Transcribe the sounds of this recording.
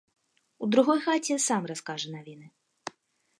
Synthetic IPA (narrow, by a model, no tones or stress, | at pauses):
ud̪ɾuɣɔjxat͡sʲɛsamraskaʐɛnavʲinɨ